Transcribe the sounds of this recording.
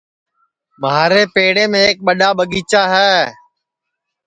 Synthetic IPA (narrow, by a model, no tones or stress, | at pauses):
maːɾeːpeːɽeːmẽːk̚ɓəɗaːɓəɠiːt͡ʃaːɦɛː